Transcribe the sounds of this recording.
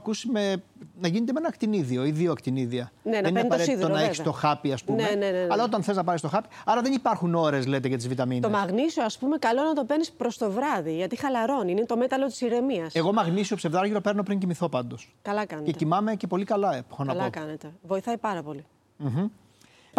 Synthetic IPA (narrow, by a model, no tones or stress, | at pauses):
ɐkusimenɐʝinet̪emenɐkt̪iniðio̞iðioɐkt̪iniðiɐneneninɐnpɐɐɾeiðonɐeist̪oxɐpiɐspuneneneɐlɐo̞t̪̬ɐnθe̞znɐpɐɾist̪oxɐpi̥ɐɾɐðe̞nipɐɾxuno̞ɾe̞zlet̪eʝɐt̪izvit̪ɐminomɐɣnisoɐspume̞kɐlo̞nɐt̪o̞penispɾo̞st̪o̞vɾɐðiʝɐt̪ixɐlɐɾo̞ninit̪o̞me̞t̪ɐlo̞t̪i̥siɾe̞miɐseɣo̞mɐɣnisiopsevðɐɾʝiɾo̞pe̞ɾno̞pɾiɲcimiθo̞pɐnd̪o̞skɐlɐkɐnee̞t̪ecimɐme̞ce̞po̞likɐlɐepxonɐlɐkɐnet̪evo̞iθɐipɐɾɐpo̞li | m̩ɦ̩